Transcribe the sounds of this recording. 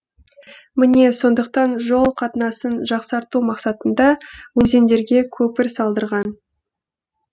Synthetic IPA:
mɪne̞so̞nd̪əq̚t̪ɑnʒo̞lˠqʰɑt̪ənɑsənʒɑqsɑɾt̪umɑqsɑt̪ənd̪ɑwɵze̞nd̪e̞ɾɡʲe̞kʲʰɵpɪɾsɑlˠd̪əɾʁɑn

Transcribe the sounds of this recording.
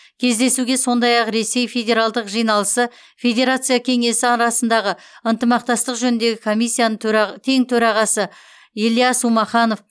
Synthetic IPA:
kʲʰe̞zd̪e̞suɡʲe̞so̞nd̪ɑjɑqɾe̞se̞jfʲe̞dʲe̞ɾalˠd̪əqʒijnɑlˠəsə | fʲe̞d̪ʲe̞ɾat̪sɨjakʲʰe̞ŋe̞sɪɑɾɑsənd̪ɑʁəənt̪əmɑq̚t̪ɑst̪əqʒɵnɪnd̪e̞ɡʲɪkʰo̞mijsʲːijanət̪ʰe̞ŋt̪ʰɵɾɑʁɑsə | elijasumɑχɑno̞f

